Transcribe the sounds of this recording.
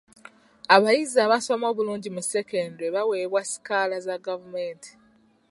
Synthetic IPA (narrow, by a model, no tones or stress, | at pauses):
aβajizaβaso̞mo̞ːβuluːɲɟimuse̞kendweβawe̞ːβwasi̥kalazaɡavumeːntʰi̥